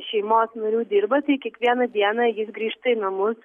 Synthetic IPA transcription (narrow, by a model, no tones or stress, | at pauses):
ʃʲɛɪmoːsnɐɾʲuːd̪ʲɪɾbɐt̪ɐɪkʲiɛkʋʲiɛnɐd̪ʲiɛnɐjɪsɡɾʲiːʃt̪ɐɪnɐmʊs